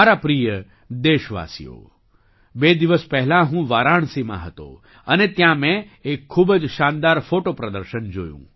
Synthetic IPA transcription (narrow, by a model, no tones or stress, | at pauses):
aɾapɾijə | d̪eʃʋa̰sḭjo̰ | bed̪iʋəspəɦlãɦũʋaɾaɳ̃simã̰ɦət̪o̰ | ənet̪jãmɛ̃ | ekʰːubd͡ʒʃand̪aɾfoʈopɾəd̪əɾʃənd͡ʒo̰jṵ̃